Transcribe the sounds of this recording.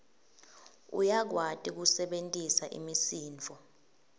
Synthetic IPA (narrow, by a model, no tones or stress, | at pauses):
ṵjak̬watʼik̬usɛɓentʼisaʔḭmisiːnt͡fɔ